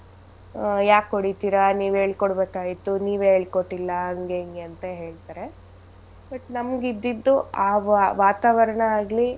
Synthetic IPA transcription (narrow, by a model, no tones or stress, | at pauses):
jaːkɦoɽit̪iːɾɐniːʋe̞ːɭkoɽbeːkaːjit̪ːuniːʋeːɭkoʈːilːɐɐŋɡeŋɡeɐnt̪ɐɦe̞ːɭt̪aːɾe̞ | bɐʈnɐmɡid̪ːid̪ːuaːʋʋaːt̪aːʋɐɾɐɳɐaːɡli